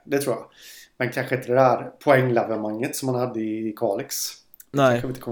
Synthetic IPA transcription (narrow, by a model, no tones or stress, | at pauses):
d̪ɛt̪ʰɾuːjɑ̰mɛnkʰanɧəɪnt̪əd̪ɛd̪æːɾpʰɔɛŋːlɛvəɾmaŋːət̪sɔmhanhad̪ːəɪːkʰɑːlɪksʰ | axəɪt̪əkʰɔm